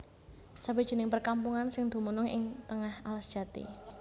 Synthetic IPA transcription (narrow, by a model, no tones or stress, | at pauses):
sabed̥ʒ̥i̤nɪŋpərkampuŋansɪŋd̪̥ṳmunʊŋɪ̰ŋt̪əŋahalasd̥ʒ̥a̤t̪ḭ